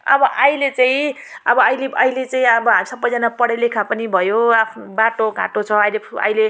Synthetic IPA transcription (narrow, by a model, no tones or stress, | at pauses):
ʌbʌʔʌjlet͡saĩ | ʌbʌʌjleʌjlet͡saĩʌbʌɦamisʌbːʌjd͡zʌnapʌɽʌjlekʰãpʌnibʱʌjoapʰnbaʈoɡã̰ʈot͡sʰʌʌjlepʰʌ̰jle